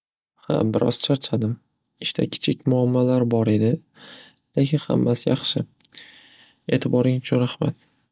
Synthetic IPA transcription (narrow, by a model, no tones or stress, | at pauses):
ha̰bɪɾʔɒ̰z̥t͡ʃʰaɾt͡ʃʰad̪ɪm | ɪʃt̪ʰa̰kʲʰɪ̥t͡ʃʰɪkʲmʊamːalaɾbɒɾe̞d̪ɪ | le̞kʲɪnha̰mːasjɑχʃɪ | e̞̰ːt̪ʰɪbɒɾɪŋʊt͡ʃʰʊnɾahma̰t̪̚